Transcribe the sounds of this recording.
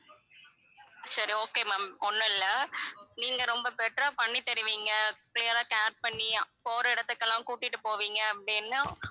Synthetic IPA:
sɐɾioːkeːmɐmɔnːɯɪlːɐniːŋɡɐɾɔmbɐpɛʈraːpɐɳːit̪ɛɾɯʋiːŋɡɐkɪlijɐɾaːkaːʈ̚pɐɳːipoːɾɐɪɽɐt̪ːɯkːɐlːãːkuːʈːɪʈːɯpoːʋiːŋɡɐɐpːɐɽinːa

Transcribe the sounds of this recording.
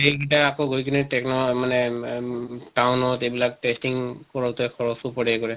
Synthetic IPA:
ejɡitaakoɡojkinitɛknɔmanɛ | tawnɔtejbilak̚testiŋkɔɹɔtɔkʰɔɹɔsupɔɹɛkɔɹɛ

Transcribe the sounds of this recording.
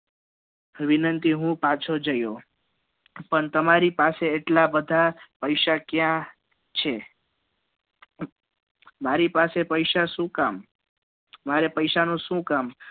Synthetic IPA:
ʋinənt̪iɦũpat͡ʃʰod͡ʒəjo | pəɳt̪əmaɾipaseːʈlabəd̪ʱapəjʃakjã | t͡ʃʰe | maɾipasepəjʃaʃũkam | maɾepəjʃanũʃũkam

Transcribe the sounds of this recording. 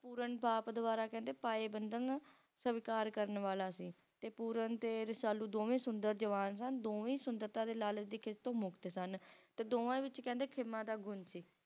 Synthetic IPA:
puːɾənbaːpd̪ʊʋaːɾaːkɛ̃ːnd̪eːpaːeːbənd̪əŋ | səʋɪkaːɾkəɾənʋaːlaːsiː | t̪eːpuːɾənt̪eːɾsaːluːd̪oːʋẽːsʊnd̪əɾd͡ʒəʋaːnsənd̪oːʋĩːsʊnd̪əɾt̪ãːd̪eːlaːləd̪iːkʰɪst̪õːmʊkt̪esənt̪eːd̪oːãːĩːʋɪt͡ʃkɛ̃ːnd̪eːkʰɪmːãːd̪aːɡʊnsiː

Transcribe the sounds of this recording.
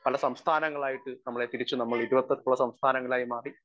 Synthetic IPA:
pɐlɐsɐmst̪ʰaːnɐŋːɐɭaːjiʈːɨnɐmːɐɭe̞t̪iɾit͡ɕːunɐmːɐɭiɾuʋɐt̪ːɐɾkuɭːɐsɐmst̪ʰaːnɐŋːɐɭaːjimaːri

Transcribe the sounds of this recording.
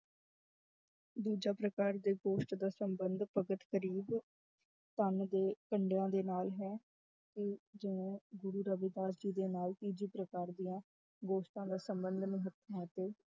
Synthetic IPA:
d̪uːd͡ʒaːpɾəkaːɾd̪eːɡoːʃʈd̪aːsəmbənd̪pəɡət̪kəɾiːb | t̪ənd̪eːkəɳɖejãːd̪eːnaːlɦɛː | k̪ed͡ʒɪʋẽːɡʊɾuːɾəbɪːd̪aːsd͡ʒiːd̪eːnaːlt̪iːd͡ʒiːpɾəkaːɾd̪ijãː | ɡoːsʈãːd̪aːsəmbənd̪nĩːɦət̪mãːt̪eː

